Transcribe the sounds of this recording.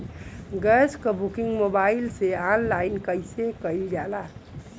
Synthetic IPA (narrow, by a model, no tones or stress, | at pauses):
ɡəskəbukĩŋɡmobailseanlainkəjsekəjld͡ʒala